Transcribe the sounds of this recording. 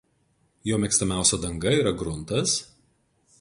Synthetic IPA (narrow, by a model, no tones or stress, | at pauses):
joːmʲɛkst̪ɐmʲæˑʊsʲɛd̪ɐŋɡɐiːɾɐɡɾʊnˑt̪ɐs